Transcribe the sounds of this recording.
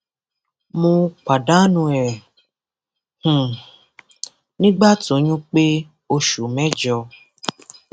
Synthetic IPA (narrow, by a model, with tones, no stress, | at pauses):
mũ˧k͡pa˨da˦nũ˧ɛ˨ | h̩˨ | nĩ˦ɡ͡ba˦to˨˦ɲũ˦k͡pe˦ | o˧ʃu˨mɛ̃˦d͡ʒɔ˧